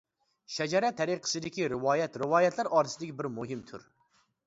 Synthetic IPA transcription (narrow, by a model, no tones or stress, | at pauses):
ʃɛd͡ʒɛɾɛt̪ʰɛɾiqʰə̥sɨd̪ɪkʲiɾɪwɑːjɛt̪ɾɨwɑːjɛt̪ʰlæɾɑːɾɨsɨd̪ɪkʲibɪɾmuɦɪmt̪ʰy̰ɾ